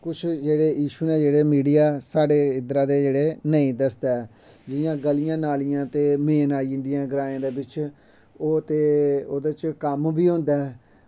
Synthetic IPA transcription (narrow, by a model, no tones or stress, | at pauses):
kʊt͡ʃʰd͡ʒeːɽeːjiːʃuːneːd͡ʒeːɽeːmiːɖijaːsaːɖeːɪd̪ɾaːd̪eːd͡ʒeːɽeːnəĩːd̪əsd̪eːɛ | d͡ʒɪjãːɡəlɪjãːnaːlijãːt̪eːmeːnaːĩnd̪ijãːɡəɾaːjãːd̪eːbɪt͡ʃ | oːt̪eːoːd̪eːt͡ʃkəmbiːɦʊ̃nd̪aːɛ